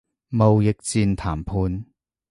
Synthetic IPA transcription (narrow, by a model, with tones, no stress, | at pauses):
mo˨wjɪ˨k̚t͡siː˧nt̪ʰaː˨˩mpʰuː˧n